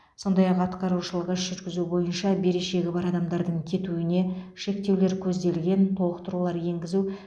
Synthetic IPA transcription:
so̞nd̪ɑjɑqɑt̪qɑɾuʃəlˠəʁəʒʏɾɡʲɪzubo̞jənʃɑbe̞ɾe̞ʃe̞ɡʲɪbɑɾɑd̪ɑmd̪ɑɾd̪əɴkʲʰe̞t̪uɪne̞ʃe̞kt̪e̞wle̞ɾkʲʰɵzd̪e̞lɡʲe̞nt̪ʰo̞lˠəqt̪əɾulˠɑɾje̞ŋɡʲɪzu

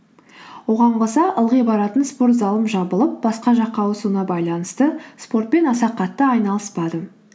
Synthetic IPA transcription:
wo̞ʁɑɴqʰosɑʔəlˠʁəjbɑɾɑt̪ənspo̞ɾt̪zɑlˠəmʒɑbəlˠəp̚bɑsqɑʒɑqːɑwosunɑbɑjlˠɑnəst̪əspo̞rt̪̚pe̞nɑsɑqːɑt̪ːəɑjnɑlˠəspɑd̪ə

